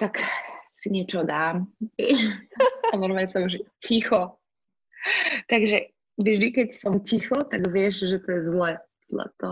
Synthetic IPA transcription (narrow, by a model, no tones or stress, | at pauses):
t̪aksiɲɛt͡ʃɔɦɔd̪aːmɛ | anɔɾmaɛsɔmʒɛcixɔ | t̪aɡʒɛ | ʒd̪ikɛcsɔmcixɔt̪aɡʋɪɛʃʒɛt̪ɔjɛzlɛ | d̪la̰t̪ɔ